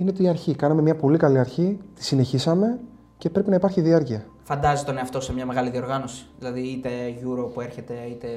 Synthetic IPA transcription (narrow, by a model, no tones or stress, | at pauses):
inet̪iɐɾçikɐnɐmemɲɐpo̞likɐliɐɾçit̪i̥sine̞çisɐme̞ | ce̞pɾe̞pinɐipɐɾçiðiɐɾciɐ | fɐnd̪ɐzit̪one̞ɐft̪o̞se̞mɲɐme̞ɣɐliðio̞ɾɣɐno̞si̥ðilɐðiit̪e̞ʝuɾopue̞ɾçe̞t̪e̞it̪e̞